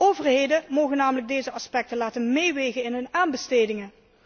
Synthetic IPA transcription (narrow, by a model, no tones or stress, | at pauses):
ʔowvəɹɦejdəmowɣənːaːmələɡ̚dejzəɑspɛk̚təlaːtənmejʋejɣənɪnɦɵnaːnbəstejdɪŋə